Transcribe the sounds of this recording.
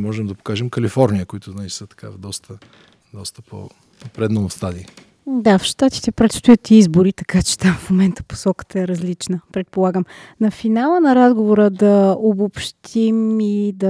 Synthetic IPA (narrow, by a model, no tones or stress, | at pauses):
mɔʒɛmd̪ɐpo̥kaʒɛmkəlifɔɾnʲijəkʊit̪ʊznat͡ʃisət̪ɐ̥ka̰vd̪ɔst̪ʰə | d̪ɔst̪ə̥pʰo̰ | pɾɛd̪nonfst̪ad̪i | d̪afʃt̪at̪i̥t̪ɛpɾɛt̪st̪ʊjət̪izbʊɾit̪ɐkat͡ʃɛ̥t̪amfmomɛnt̪ə̥po̥sɔkə̥t̪əɛɾɐzlit͡ʃnəpɾɛt̪̚polˠaɡəmnɐfinalˠənɐɾazɡovoɾəd̪ɐobopʃt̪ʰimid̪ɐ